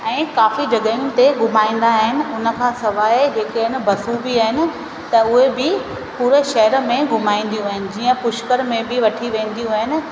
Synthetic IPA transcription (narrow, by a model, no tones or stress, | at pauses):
ɛ̃ːkaːfid͡ʑɐɠəĩnɪ̆t̪eɡʱʊmaːĩːn̆d̪aɦɪnɪ̆ʊnə̆kʰãːsɐʋaːed͡ʑeːkeɪnɪ̆bʱɐsubiaːɦɪnɪ̆ | t̪ɐʊɦebɪ | puːɾeʃɐɦəɾmẽɡʱʊmaːĩːn̆d̪ijũaːɦɪnɪ̆d͡ʑiːə̃pʊʃkəɾmẽbɪʋɐʈʰiʋẽːnd̪ijũaːɦɪnɪ̆